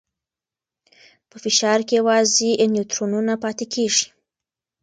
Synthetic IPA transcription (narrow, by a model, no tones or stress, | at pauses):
pəfɪʃɑɾkejawɑzeʔɪnjut̪ɾonunapɑt̪ekʰeʐi̥